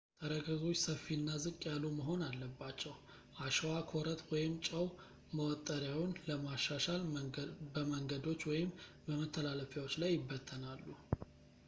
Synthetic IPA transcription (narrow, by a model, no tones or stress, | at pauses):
t̪ʰəɾəɡəɡot͡ʃsəfːinːazɨkʼːjalːuməɦo̞nalːəbːat͡ʃːɛw | ʔaʃwakʰoɾət̪wɔjɪmt͡ʃʼəw | məwɔt̪ʼːəɾjawʊnləmaʃːaʃalbəməŋɡəd̪o̞t͡ʃːwɔjɪm | bəmət̪ʰːəlaləfjawot͡ʃːlajːɪbːət̪ʰːənalːu